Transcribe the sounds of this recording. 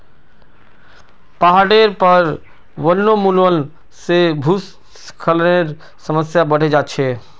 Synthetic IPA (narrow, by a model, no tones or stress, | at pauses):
paɦaɽeɾpəɾ | bəlnomuləl | sebʱus | kʰəlneɾ | səməsjabəɽ̤ed͡ʒatːt͡ʃʰe